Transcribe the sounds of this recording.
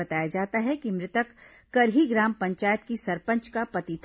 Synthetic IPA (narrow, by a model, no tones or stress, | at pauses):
ɐt̪aːjad͡ʒaːt̪aɦɛkimɾɪt̪əkː | ɐɾɦiɡɾaːmpɐ̃ɲt͡ʃaːjət̪kisɐɾpə̃nt͡ʃkapɐt̪it̪ʰ